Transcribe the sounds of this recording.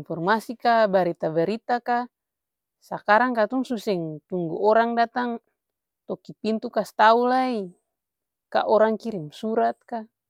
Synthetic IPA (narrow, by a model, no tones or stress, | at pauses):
nfɔrmasikabaɾit̪abaɾit̪aka | sakaɾaŋkat̪uŋsusɛŋt̪uŋɡṵɔɾaŋdat̪aŋ | t̪ɔkipint̪ukast̪aulai | ka̰ʔɔɾaŋkiɾimsuɾat̪̚ka